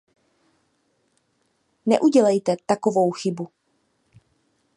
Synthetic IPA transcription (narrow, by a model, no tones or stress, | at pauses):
nɛ̰ʔuɟɛlɛjt̪ɛt̪akovo̞wxɪbu